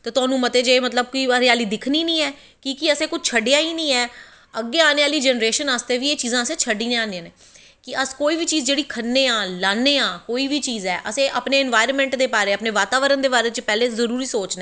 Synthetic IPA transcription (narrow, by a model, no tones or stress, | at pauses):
t̪eːt̪ʊaːnũːmət̪eːd͡ʒeːmət̪̬ləb̚kiaɾeaːliːd̪ɪkʰniːnĩːɛː | kiːkiəsẽːkʊt͡ʃʰt͡ʃʰəɖejaːiːnĩːɛː | əɡːeːaːneːaːliːd͡ʒɛnɾeːʃənaːst̪eːʋiːeːt͡ʃiːzãːəsẽːt͡ʃʰəɖiːnẽːãːnãːneː | kɪʔəskoːiːʋiːt͡ʃiːzd͡ʒeːɽiːkʰənːeːaːlaːnːeːaːkoːiːʋiːt͡ʃiːzɛːʔəsẽːʔəpneːɪnʋaːɪɾəmɛ̃ːɳʈd̪eːpaːɾeːəpneːʋaːt̪aːʋəɾənd̪eːbaːɾeːt͡ʃəpɛːleːzəɾuːɾiːsoːt͡ʃnɛː